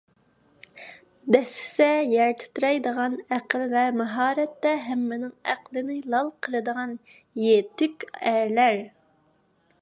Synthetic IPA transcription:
d̪ɛsɪ̥sɛjæɾt̪ʰɪ̥t̪ɾɛjd̪əʁɑnæqəlvɛmæɦɑːɾɛt̪ːɛɦæmːɪnɪŋæ̰qlˠɨnɪlˠɑlˠqʰəlˠɨd̪əʁɑn | jet̪ykʲæɾlæɾ

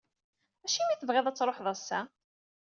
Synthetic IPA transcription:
æʃimiθəvʁeðˤæt͡sːɾˤoħðˤɑsːæ

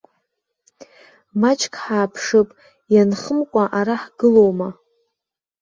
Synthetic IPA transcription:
mat͡ʃʰʼkʰʼħaːpʰʂɨpʼ | janχəmkʷʼaʔaɾaħɡɨlo̞wma

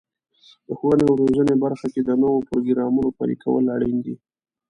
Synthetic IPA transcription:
d̪̥əxwanewɾoʒənebaɾxaked̪ənowopɾoɡɾɑmunopɑ̰ɾḭkʰawə̰laɽind̪i

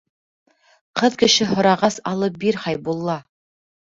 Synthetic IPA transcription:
qɤðkɘ̆ʃɘɦŏɾɑʁɑsɑlˠɤp̚biɾχɑjbulˠːɑ

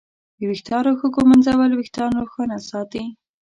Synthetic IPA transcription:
d̪əwɪxt̪ɑɾoxokomanzawalwɪxt̪ɑɾoxɑnasɑt̪i

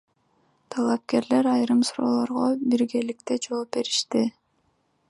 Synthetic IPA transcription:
t̪ʰɑlˠɑp̚ke̞ɾle̞ɾɑjɾɯmsuɾo̞̰ːlˠo̞ɾʁobiɾɡe̞lik̚t̪e̞d͡ʒo̞ːp̚be̞ɾiʃt̪i

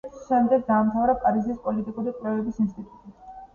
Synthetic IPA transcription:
ʃɛmd̪ɛɡ̚d̪aːmt̪ʰavɾakʼaɾizispʼɔlit̪ʼikʼuɾikʼwlɛvɛbisinst̪ʼit̪ʼut̪ʼi

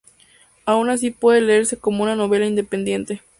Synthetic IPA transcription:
aunas̬ipwe̞ðele̞eɾse̞ko̞mounano̞β̞e̞laind̪e̞pend̪je̞nt̪e̞

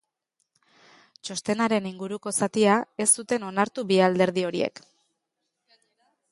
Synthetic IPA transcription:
t͡ʃo̞st̪e̞naɾe̞niŋɡuɾuko̞sat̪iae̞sːut̪e̞no̞naɾt̪ubiald̪e̞ɾðio̞ɾiḛk

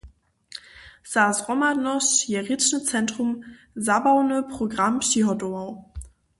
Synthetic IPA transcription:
z̥aːsʁɔmanɔsjeʁit͡ʃnət͡sɛntʁ̥ʊm | zabaʊnəpʁ̥oɡʁamʃiɦɔdomaʊ

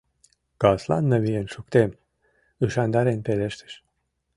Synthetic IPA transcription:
ɡ̥ɑslˠɑ̰nːɤβijenʃuk̚t̪em | ɯʃɑnd̪ɑɾenpeleʃt̪ʰe̥ʃ

